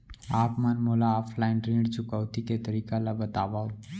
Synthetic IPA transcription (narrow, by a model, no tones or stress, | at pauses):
apmanmolaɔpʰlaiɳɖɾẽɳɖt͡ʃukəʋt̪iket̪əɾikalabət̪aʋaʋ